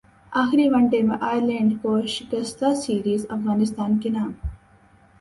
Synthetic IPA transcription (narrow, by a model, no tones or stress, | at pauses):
aːxɪɾiʋɐɳʈemẽʔaːjəɾlẽːɳɖkoːʃɡɐst̪aːsiːɾiːzɐfɣaːnɪst̪aːnkenaːm